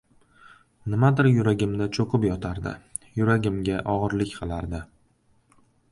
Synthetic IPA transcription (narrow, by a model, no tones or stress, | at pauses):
nɪmad̪ɪɾjʊɾaɡʲɪmd̪at͡ʃʰoqʰɨpjɒt̪ʰaɾd̪ɪ̰ | jʊɾaɡʲɪmɡʲaʔɒʁɨɾlɪkʲqʰɨlˠaɾd̪ɪ